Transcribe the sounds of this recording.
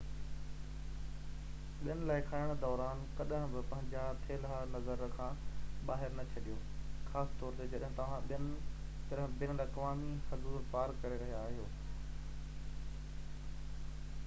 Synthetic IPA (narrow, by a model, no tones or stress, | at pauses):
ɓɪjənɪ̆laːɪkʰaːɪɽ̃d̪ɔːɾaːnkɐɗɦə̃bɪpɐ̃ɦɪ̃ɲd͡ʑat̪ʰeːlɦanɐzəɾkʰãːɓaːɦɪɾnɐt͡ɕʰɐɗijoːxaːsɪ̥t̪ɔːɾt̪ed͡ʑɐɗɦɪ̃t̪ɐʋ̤ãɓntɐɗɦbɪnɾakɐʋaːmisɐzuːɾpaːɾkɐɾeɾɐɦijaːɦijoː